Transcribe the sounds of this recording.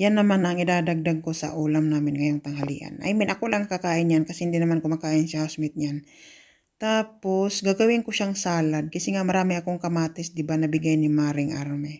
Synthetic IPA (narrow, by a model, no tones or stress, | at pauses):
janːɐmanɐŋɪd̪aːd̪aɡ̚d̪aɡ̚kosɐ̰ʔuːlamnaːmɪnŋɐjoŋt̪ɐŋɦɐlḭʔa̰nʔɐ̰jmɪnʔɐkolaŋɐkakaːʔɪnɲankɐsɛhɪnd̪inɐmankomɐkaːʔɪnsahasmɪt̪̚ɲan | t̪aːposɡaɡɐwɪŋkʊʃaŋsaːlad̪̚kɐsɛŋamɐɾaːmɪɐkoŋkɐmaːt̪ɪsd̪ɪbanɐbɪɡajnɪmaːɾɪŋʔaɾmɛ